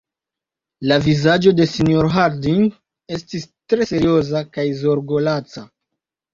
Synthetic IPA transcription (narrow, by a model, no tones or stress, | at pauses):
lavizad͡ʒo̞de̞sinioɾɦaɾdin | e̞stistɾe̞se̞ɾio̞zakajzo̞ɾɡo̞lat͡sa